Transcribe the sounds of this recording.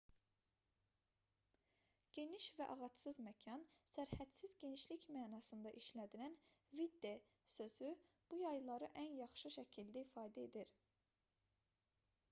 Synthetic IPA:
ɟ̥e̞niʃvæʔɑʁɑt̪sɯzmæcʰɑnsæɾhæt̪sizɟe̞niʃlicmæːnɑsɯnd̪ɑʔiʃlæd̪ilænvid̪ːe | sø̞z̥y | b̥ujɑjlˠɑɾɯʔænjɑχʃɯʃæcʰild̪æifɑːd̪æe̞d̪iɾ

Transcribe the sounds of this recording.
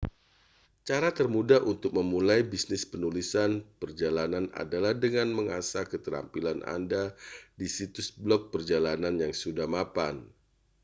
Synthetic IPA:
t͡ʃaɾat̪ərmudaʔunt̪ʊk̚məmulajbisnɪspənulisanpərd͡ʒalanana̰dalahdəŋanməŋasakət̪əɾa̰mpilanʔa̰ndadisit̪ʊsblɔk̚pərd͡ʒalananjaŋsudahmapan

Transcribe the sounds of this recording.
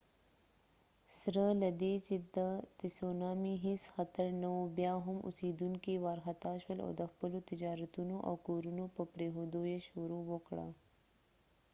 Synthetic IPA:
sɾəlad̪et͡ʃed̪ət̪ɪsonɑːmiɦɪsxɐt̪əɾnawobjɑɦʊmʔʊ̰sid̪uŋkiwɑɾxat̪aʃwəlo̰d̪əxpəlot̪ɪd͡ʒɑːɾɐt̪unoʔa̰wkoɾunopəpɾeɦod̪ojeʃuɾowokɽa̰

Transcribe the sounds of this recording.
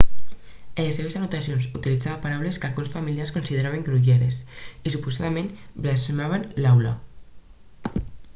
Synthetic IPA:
eleseβeszanut̪asionzut̪ilid͡zaβepaɾawleskalɣunsfamiliarskunsiðeɾaβeŋɡɾuʎeɾesisupusaðamẽnblasmaβ̞enlawla̰

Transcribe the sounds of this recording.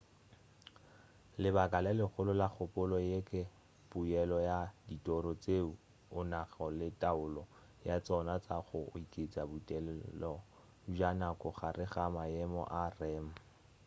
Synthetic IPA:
lɪbakʼalɛlɪχʊlʊlak͡xʰʊpʼʊlɔjekʼɪ | pʼujɛlɔjaditʼɔɾɔt͡seu | ʊnaχɔlɪtʼaʊlɔ | jat͡sɔnat͡saχʊikʼet͡sʼabutʼɛlɛlɔ | ʒanakʼɔχarɪχamaɛmɔ̰ʔarɛːma

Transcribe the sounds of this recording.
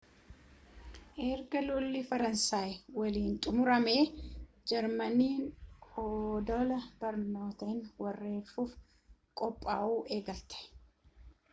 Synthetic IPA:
ʔɛɾɡɐlʊlːifɐɾɐnsaːjwɐliːnt̪ʼʊmʊɾɐmeː | d͡ʒɛɾmɐniːnoːd̪ɔlɐb̥ɐɾno̞ːt̪eːnwɐrːe̞ːfuːf | kʼɔpʼːaːʔuːʔeːɡɐlt̪ɛ̥

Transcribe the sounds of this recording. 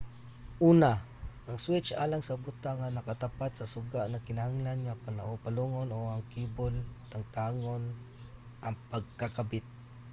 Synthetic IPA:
ʔuːna | ʔaŋswɪt͡ʃa̰laŋsabʊt̪aŋːanakat̪apat̪̚sasʊɡaʔnakɪnahaŋlanŋapanaʔʊpaluŋonoaŋkibʊlt̪aŋt̪aːŋon | ʔaŋpaɡ̚kakabɪt̪̚

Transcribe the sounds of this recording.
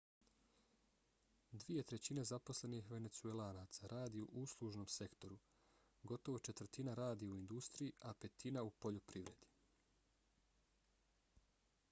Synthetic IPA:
d̪ʋie̞t̪ɾe̞t͡ɕinezapo̞sle̞nixʋe̞ne̞t̪suelˠaːnat̪saɾʔaːd̪iuʔuslˠuʒno̞mse̞kt̪o̞ɾu | ɡo̞t̪o̞ʋo̞t͡ʃe̞t̪ʋr̩t̪inaɾaːd̪iuind̪ust̪ɾijiʔape̞t̪inaupo̞ʎopɾiʋɾe̞d̪̥i̥

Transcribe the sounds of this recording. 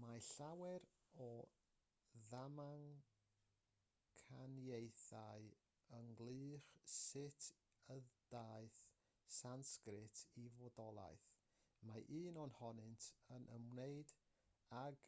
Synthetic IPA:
maɬawɛɾ | ɔ | ðamaŋ | kʰanjejθaɨ | əŋɡlɨːχsɪtʰ | əðd̥aːɨθ | sanskrɪtʰivɔdɔlˠa̰jθ | maʔiːnɔnhɔnɨntʰənʔəmneɨd | aɡ

